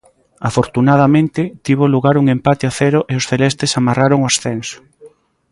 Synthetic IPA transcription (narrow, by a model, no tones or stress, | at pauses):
afoɾt̪unað̞amẽnt̪ɪt̪iβ̞oluɣaɾuŋempat̪eaθɛɾoʔeosθelɛst̪esamaraɾoŋʊasθɛnso̥